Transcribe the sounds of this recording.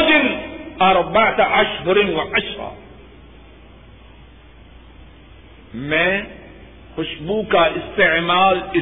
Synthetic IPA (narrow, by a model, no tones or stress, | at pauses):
d͡ʒɪlʔɑɾˤbaʕt̪aʕaʃhʊɾnwɪʕaʃɾɑ̰ | me | hʊʃbuːkaʔɪst̪ɪʕmaːlʔɪ